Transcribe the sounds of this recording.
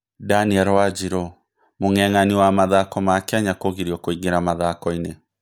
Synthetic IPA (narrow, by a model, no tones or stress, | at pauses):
daniɛɾwad͡ʒiɾɔ | moŋɛŋaniwamaðakɔmakɛaɲakoɣiɾjɔkoiɡeɾamaðakɔine